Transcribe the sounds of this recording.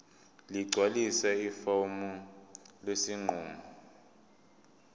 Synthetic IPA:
liɡ͡ǀʱwalisɛifɔmulesiŋ͡ǃuːmɔ

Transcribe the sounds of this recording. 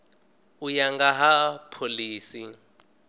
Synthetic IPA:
ujaŋɡaɦapʰoliːsi

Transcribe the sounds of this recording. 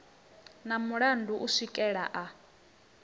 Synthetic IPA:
namuɺanduʔusikʼɛɺaʔa

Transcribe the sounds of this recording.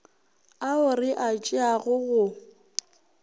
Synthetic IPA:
aʊrɪʔat͡ʃʼɪaɣʊɣʊ

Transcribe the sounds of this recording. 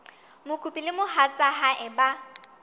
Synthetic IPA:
mʊkʼupʼilɪmʊhat͡sʼaɦaʔɪba

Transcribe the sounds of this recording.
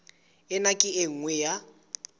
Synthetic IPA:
ɛnakʼɪeŋ̩ŋwɛja

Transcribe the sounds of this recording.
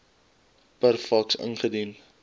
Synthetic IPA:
pərfɐksə̰nχədin

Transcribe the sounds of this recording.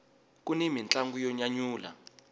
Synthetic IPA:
kunimint͡ɬaŋɡujɔɲaɲuːla̰

